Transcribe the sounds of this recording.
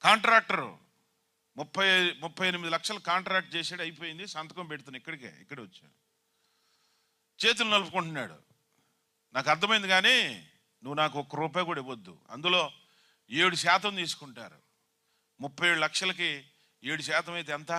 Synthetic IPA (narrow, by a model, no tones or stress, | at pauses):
kaːɳʈɾaːk̚ʈɐɾṵ | mupʰːɐjmupʰːɐjenimid̪ilɐkʂɐlɐkaːɳʈɾaːk̚ʈ̚t͡ʃɛːsaːɽɐjipo̞ːjind̪isaːnt̪ɐkɐmpɛʈut̪̬unːaikːɐɽikḛːḭkːɐɽiʋɐt͡ʃːa̰ | t͡ʃe̞ːt̪̬ulɐnɐlupukuɳʈunːa̰ːɽṵ | naːkɐɾt̪ʰːɐmɐjind̪iɡaːniː | nuʋːunaːkuɔkːɐɾuːp̬aːjkuːɽaɐiʋod̪ːṵɐ̰nd̪ulo̞ː | e̞ːɽuʃaːt̪ɐmt̪iːsu̥kuɳʈa̰ːɾṵ | mupʰːɐjeːɽulɐkʂɐlɐki | eːɽuʃɛːt̪ɐmɐjt̪eɛnt̪ɐ